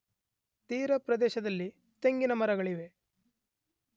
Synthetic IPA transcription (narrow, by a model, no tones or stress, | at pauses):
t̪iːɾɐpɾɐd̪ɛːʃɐd̪ɐlːi | t̪eŋɡinɐmɐɾɐɡɐɭiʋe̞